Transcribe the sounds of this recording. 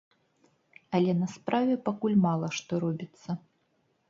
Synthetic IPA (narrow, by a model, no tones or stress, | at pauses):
ɐlʲɛnɐspɾavʲɛpakulʲmalˠɐʂt̪ɔɾɔbʲit̪sːɐ